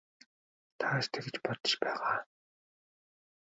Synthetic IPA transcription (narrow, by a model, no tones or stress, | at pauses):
t̪ʰaːʃt̪ʰĕɡĕt͡ɕpɔt̪ɞ̥̆ʃpæːʁaː